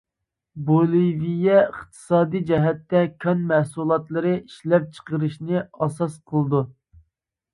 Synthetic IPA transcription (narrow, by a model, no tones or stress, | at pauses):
bolˠivijɛəχt̪ʰɨ̥sɑːd̪ijd͡ʒɛɦɛt̪ːɛkʲʰɑnmæhsulˠɑt̪lˠəɾɨʔiʃlɛp̚t͡ʃʰə̥qəɾɨʃnɨɑsɑsqʰəlˠɨd̪u